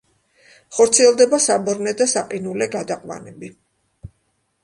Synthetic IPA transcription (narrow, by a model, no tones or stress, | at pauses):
χɔɾt̪sʰiɛlˠd̪ɛbasabɔɾnɛd̪asaqʼinulɛɡad̪aqʼwa̰nɛbi